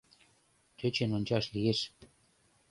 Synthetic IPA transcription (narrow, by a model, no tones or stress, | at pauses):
t͡ɕøt͡ɕenonʲt͡ɕɑʃlijeʃ